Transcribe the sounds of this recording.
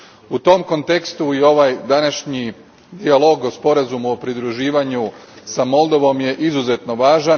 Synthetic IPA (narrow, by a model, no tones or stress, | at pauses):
ut̪o̞mko̞nt̪e̞kst̪uio̞ʋajd̪anaʃɲi | d̪ialˠo̞ːɡo̞spo̞ɾazumuopɾid̪ɾuʒiːʋaɲusamo̞lˠd̪o̞ʋo̞mje̞ʔizuze̞t̪no̞ʋaːʒan